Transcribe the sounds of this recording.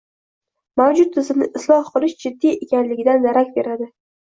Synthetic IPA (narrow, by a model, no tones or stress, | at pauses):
mawd͡ʒʊt̪ʰːɪzɪmnɪʔɪslˠɒhqɨlˠɪʃd͡ʒɪd̪ːijekʲanlɪɡʲɪd̪and̪aɾakʲbe̞ɾad̪ɪ